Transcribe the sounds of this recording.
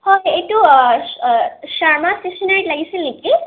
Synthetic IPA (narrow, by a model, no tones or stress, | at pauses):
hɔjejtu | ʃaɹmastesɔnaɹitlaɡisilniki